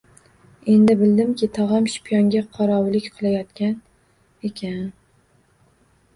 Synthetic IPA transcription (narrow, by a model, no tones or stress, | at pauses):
e̞nd̪ɪbɪld̪ɪmkʲɪt̪ʰɒʁamʃpʰjɒŋɡʲaqʰɒɾɒwlɪkʲqʰɨlˠajɒt̪kʲan | e̞kʲʰan